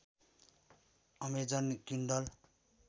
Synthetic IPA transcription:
ʌmed͡zʌnkiɳɖʌl

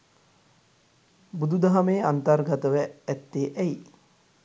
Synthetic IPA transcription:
bud̪ud̪aɦameːant̪arɡat̪əʋæːt̪ːeːʔɛi

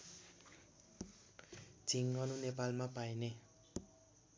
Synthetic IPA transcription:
d͡ziŋɡʌnunepalmapajne

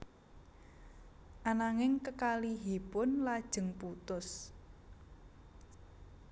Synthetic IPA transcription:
ʔanaŋɪŋkəkaliɦipʊnlad̥ʒ̥ə̤ŋput̪ʊs

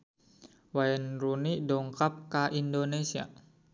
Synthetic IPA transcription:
waɛnrunidɔŋkap̚kaʔindonesia̰

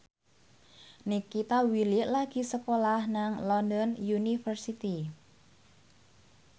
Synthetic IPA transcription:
nikːit̪awilɪʔlaɡ̥i̤səkolahnaŋlɔndɔnjunifərsit̪i

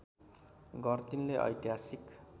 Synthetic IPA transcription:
ɡʌrt̪inleʔʌ̰jt̪iɦasik

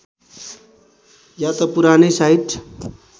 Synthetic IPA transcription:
jat̪ʌpuɾanʌjsaiʈ

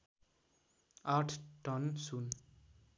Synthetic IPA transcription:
arʈʰʈʌnsun

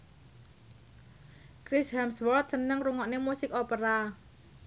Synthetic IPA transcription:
kɾishɛmswɔrt̪̚sənəŋruŋɔʔnemusɪkopəɾa

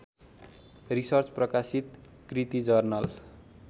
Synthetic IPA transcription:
risʌrt͡sprʌkasit̪ | krit̪id͡zʌrnʌl

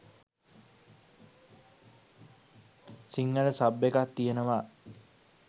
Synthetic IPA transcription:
siŋːələsabːekat̪ːijenəʋaː

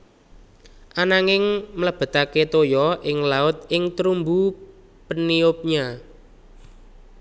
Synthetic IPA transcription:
ʔanaŋɪŋmələb̥ə̤t̪aket̪ojɔʔɪŋlaʊt̪̚ɪŋt̪ɾumbu | pəniʊp̚ɲa

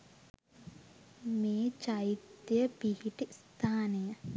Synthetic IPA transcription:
meːt͡ʃɐjit̪jɐpihiʈist̪ʰaːnɐjɐ

